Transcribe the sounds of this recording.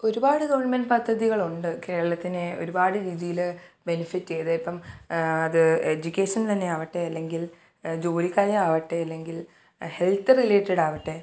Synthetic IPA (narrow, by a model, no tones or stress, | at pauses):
o̞ɾubaːɽɨɡɐʋɐɳmɐnɖpɐd̪ʱːɐðiɣɐɭuɳɖɨke̞ːɭɐɭɐt̪ːineo̞̰ɾubaːɽɨɾiːðijilbenifiʈːɨt͡ɕe̞jɐðepːɐmɐðɨed͡ʑukʲːe̞ːʂɐnt̪ɐnːe̞aːʋɐʈːe̞ɐlːe̞ŋɡil | d͡ʑo̞ːɾikʲːaːjɐaːʋɐʈːe̞ɐlːe̞ŋɡil | he̞lt̪ɨrileːʈːɐɽaːʋɐʈːe̞